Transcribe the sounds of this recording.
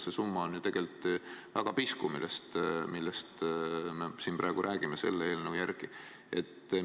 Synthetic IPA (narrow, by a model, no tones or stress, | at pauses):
sesumːɑonjut̪e̞ɡ̥e̞lt̪ːˑvæɡ̥ɑpiskumilest̪milːest̪mesiːnprʔɑˑeɡ̥uɾʔæːɡ̥imese̞̰lːeeːlnəwjærɡ̥i | e̞t̪ː